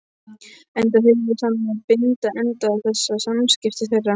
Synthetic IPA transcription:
ɛnt̪aθehɪnɪ̥saːmanaðpɪnt̪aʔɛnt̪aːθɛsːasamscɪft̪ɪθɛjrːa

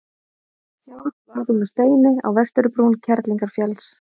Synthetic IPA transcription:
saːwɾvaɾðumast̪eːjnɪa̰wvɛr̥t̪ʏɾʏpɾuːncʰɛɾt̪liŋkaɾ̥fjɛls

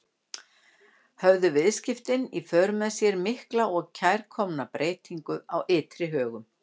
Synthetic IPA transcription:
hœvðʏvɪðscɪft̪ɪnifœːɾʏmɛðsjɛɾmɪhklaʔɔɣcʰajɾ̥kʰɔmnapɾeːjt̪iŋkʏawɪːt̪ɾɪɦœːɣʏm

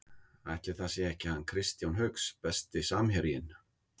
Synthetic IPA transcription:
ajht̪lɪθasjɛɛhcɪhanːkʰɾɪst̪jawnɦœkspɛst̪ɪsaːmhɛɾjɪn

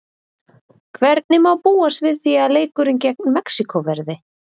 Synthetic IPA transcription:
kʰvɛɾt̪̚nɪmawpuːast̪vɪðθiaðleːjkʏɾɪncɛk̚nmɛksikʰɔvɛɾðɪ

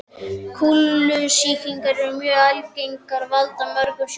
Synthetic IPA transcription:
kʰulːʏsiːkiŋkaɾɛɾʏmjœːɣajvkejŋkaɾvalt̪amœɾkʏs

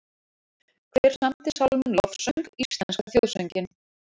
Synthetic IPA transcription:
kʰvɛɾ̥samt̪ɪ̥sawlmʏnlɔfsœŋkist̪lanskaθjowðsœɲcɪn

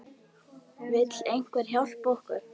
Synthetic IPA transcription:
vɪt̪lejŋ̥kvɛɾ̥hjawl̥powhkʏɾ̥

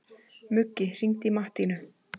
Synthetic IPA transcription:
mʏcːɪr̥iŋt̪imaht̪inʏ

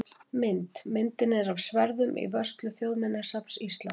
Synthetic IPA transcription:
mɪnt̪mɪnt̪ɪnɛɾavsvɛɾðʏmʔḭvœst̪lʏθjowðmɛnːḁsapn̥sist̪lan

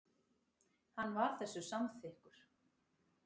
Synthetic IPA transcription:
hanːvaɾ̥θɛsːʏsamθɪhkʏɾ̥

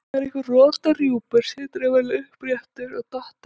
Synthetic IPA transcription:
ɾɪhkvɪrɔːt̪arjuːpɪɾ̥sɪt̪ɾɛvɛɾlɪʏhpɾjɛft̪ʏɾaɣt̪ɔht̪

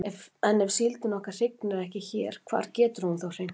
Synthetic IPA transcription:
ɛvɛnɛvsilt̪ɪnɔhkḁr̥ɪknɪɾɛhcɪçɛ̰ːɾ̥kʰv̥a̰ːɾcɛːt̪ʏɾ̥hunθawr̥ejn

